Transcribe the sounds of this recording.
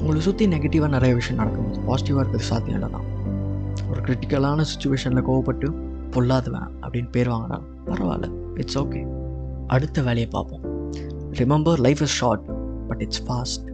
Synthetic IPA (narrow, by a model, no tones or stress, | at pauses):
ʊŋɡɐɭksʊt̪ːinɛɡeʈːɪʋaːnɐnɪɾɐjɐʋɪʂɐjɐ̃nɐɽɐkːɯŋpa̰ːsɪʈɪʋaːɪɾɯkːɐðɯsa̰ːd̪ɪjɐ̰̃lːɐ̰t̪ːã̰ː | ɔɾɯkɪɾɪʈɪkːɐlaːnɐsɪ̥t͡ʃːʊʋeːʂɐnɪlɐkoːʋɐpːɐʈːɯ | pɔɭːaːðɯʋɛ̰̃ːʔɐ̰pːɐɽɪnːpeːɾʋaːŋɡɐɾa̰ː | pɐɾɐʋa̰ːlɐ̰ | ɪʈsoːkeː | ʔɐɽɯt̪ːɐʋeːɭɪjɐpːa̰ːɾpõː | ɾɪmɛmbɐɾlɐɪfɪsʃaːʈb̥ɐʈɪʈsfaːsʈ